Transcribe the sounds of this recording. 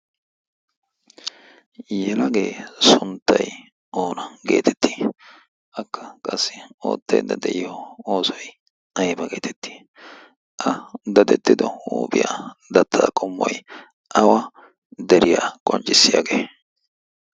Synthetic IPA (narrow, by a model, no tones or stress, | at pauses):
jɛlɐɡe̞ːsʊnt̪ːɐj | ʔoːnɐɡe̞̰ːt̪ʰɛ̥t̪ʰːi̥ː | ʔɐkːɐkʼɐsːɪo̰ːt̪ːɐ̰jd̪ːɐd̪ɛʔɪjɔoːsɔj | ɐjbɐɡe̞ːt̪ʰɛt̪ːi̥ː | ʔɐd̪ɐd̪ɛt̪ːɪd̪ɔuːbɪjad̪ɐt̪ʰːaːkʼɔmːɔj | ʔɐwɐ | d̪ɛɾɪjaːkʼɔnt͡ʃʼːɪsːɪja̰ːɡeː